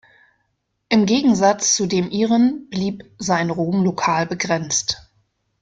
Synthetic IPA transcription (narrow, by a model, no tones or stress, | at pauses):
ʔɪmɡeːɡŋ̩zat͡st͡sudeːmʔiːʁənb̥liːpzaɪnʁoːmlokʰaːlbəɡʁɛnt͡st